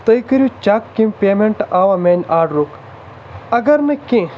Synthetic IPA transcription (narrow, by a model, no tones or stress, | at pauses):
t̪əjkəɾʲut͡ʃakːĩmʲpʲeːmeɳʈaːʋɐmeːnʲaːɖɾuk | ɐɡɐɾnɐkĩ